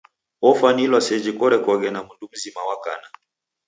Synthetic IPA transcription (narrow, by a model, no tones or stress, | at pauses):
ɔfanilwasɛd͡ʒikɔɾɛkɔɣɛnamundum̩zimawaka̰na